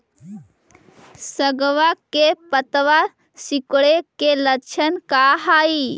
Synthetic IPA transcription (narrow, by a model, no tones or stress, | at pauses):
səɡʋakepət̪ʋa | sikɽekelət͡ʃʰənkaɦaːi